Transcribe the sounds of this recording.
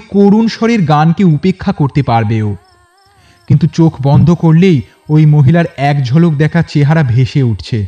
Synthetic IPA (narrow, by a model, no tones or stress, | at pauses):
koɾunʃɔɾeɾɡankeupekʰːakoɾt̪epaɾbeo | kint̪ut͡ɕokʰbɔnd̪ʱokoɾlej | ojmoɦilaɾɛkd͡ʑʱɔlok̚d̪ɛkʰat͡ɕeɦaɾabʱeʃeuʈʰt͡ɕʰe